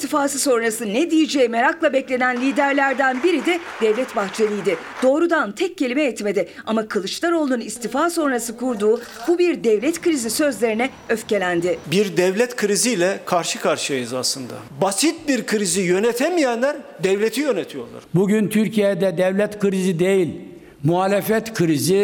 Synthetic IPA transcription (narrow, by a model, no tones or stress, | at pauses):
ist̪ifaːsɯso̞nɾasɯnɛd̪ijid͡ʒɛjime̞ɾaklˠabɛclʲe̞nænlʲiːd̪æɾlʲæɾd̪ænbiɾid̪ɛd̪ɛvlʲɛt̪baxt͡ʃʰelʲˠijd̪ɪ | d̪̥o̞ːɾud̪ant̪ʰɛc̚ːe̞lʲimɛjɛt̪me̞d̪ɪamakʰɯlˠɯt͡ʃlˠaɾo̞lˠnunist̪ʰifaːso̞nɾasɯkuɾd̪uːbubiɾd̪ɛvlʲɛt̪kɯɾizisø̞zlʲe̞ɾinɛ | øfce̞lʲænd̪ɪbiɾd̪ɛvlʲɛt̪kʰɯɾiziːlʲɛkʰaɾʃɯkʰaɾʃɯajɯzaslˠɯnd̪a̰ | basit̪̚biɾkʰɯɾizijø̞nɛt̪ʰemijænlʲæɾd̪ɛvlʲet̪ʰijønet̪ʰijo̞lˠa̰ɾ̥buɟynt̪ʰyɾcʰijɛd̪ɛd̪ɛvlʲɛt̪kʰɯɾizid̪e̞jilʲ | muɦaːlʲefɛt̪kʰɯɾizi